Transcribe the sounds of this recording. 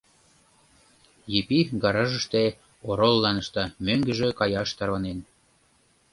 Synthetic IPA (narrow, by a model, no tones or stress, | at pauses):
jepiɡɑɾɑʒə̆ʃt̪e | oɾolːɑnə̆ʃt̪ɑmøŋɡə̆ʒĕkɑjɑʃt̪ɑrβɑnen